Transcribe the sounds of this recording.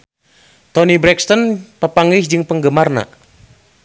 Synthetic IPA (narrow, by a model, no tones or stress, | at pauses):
t̪ɔnibɾɛkst̪ɔnpəpaŋisd͡ʒɨŋpəŋɡəmarna̰